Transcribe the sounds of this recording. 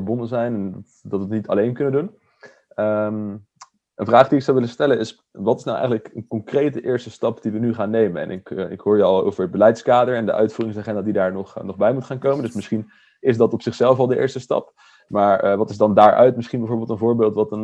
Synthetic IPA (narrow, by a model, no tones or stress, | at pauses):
ɹbɔndəzɛjnɛn | dɑtʋətnitɑ̰lejnkɵnəndun | əm | ənvraːχdiɪksɑwʋɪləstɛlənɪs | ʋɑtɪsnɑwʔɛ̰jχənləkənkɔŋkrejt̚dəʔɪːɹstəstɑpd̥iʋənyχaːnːejmənɛ̰nʔɪkɪkɦʊːɹjəɑlˠo̰wvəɹɦəd̚bəlɛjtskaːdəɹɛndəʔœ̰ɥtfuːrɪŋsaːχɛndadidaːɹnɔχnɔχbɛjmutχaːnkowməndɵsmɪsχin | ɪzdɑtɔpsɪχsɛlˠfɑlˠdəʔɪ̰ːɹstəstɑ̰p | maːɹʋɑtɪzdɑndaːɹʔœ̰ɥtmɪsχinbɛjvoːɹbeɪlˠtənvʊːɹbɪːlˠtʋɑltən